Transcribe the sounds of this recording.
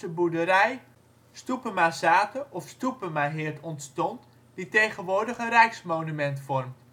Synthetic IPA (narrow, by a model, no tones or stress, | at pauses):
əbudəɾɛj | stupəmasaːtəʔɔfstupəmaɦɪːərtɔntstɔnt | d̥itejχənʋʊːrdəχərɛjksmownymɛntfɔrm